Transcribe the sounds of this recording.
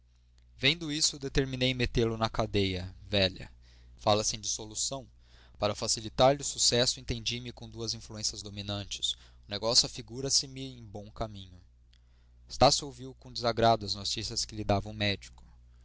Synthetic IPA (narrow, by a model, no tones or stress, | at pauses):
vẽnd̪ʊisʊd̪et̪eɾminejmet̪eɾlʊnɐkad̪ejɐvɛʎɐ̰ | falɐsẽd͡ʒɪsolusɐ̃w̃ | paɾɐfasilit̪aɾʎɪʊsusɛsʊẽnt̪ẽd͡ʒimɪkõd̪uɐzĩfluẽsjɐzd̪ominɐ̃nt͡ʃɪ̥s | ʊneɡɔsjʊɐfiɡuɾɐsɪmɪẽj̃bõw̃kamĩɲʊ | st̪asowviwkõd͡ʒɪzaɡɾad̪ʊɐznot͡ʃisiɐskɪlid̪avɐ̃ʊ̃mɛd͡ʒikʊ̥